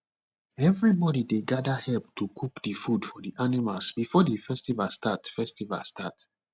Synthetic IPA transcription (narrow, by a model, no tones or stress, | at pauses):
ɛvɹibɔdideɡadahɛlp̚tukʰukdəfudfɔdiʔanimalsbifɔdifɛstivastatfɛstiva̰stʰat